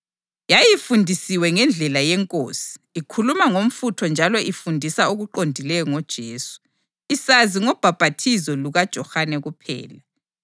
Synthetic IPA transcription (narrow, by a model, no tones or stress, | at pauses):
jajifundʱisiwɛŋɛnd͡ɮʱɛlajɛŋkʼo̰ːsi̥ːkʰulumaŋom̩futʰɔnd͡ʒʱalɔʔifundʱisaoɣuǃondʱilɛjɔŋɔd̥ʒ̥ʱeːsu̥ | isaziŋɔb̥ʱab̥ʱatʰizɔluɣad̥ʒ̥ʱɔhanɛɣupʰɛ̰ːla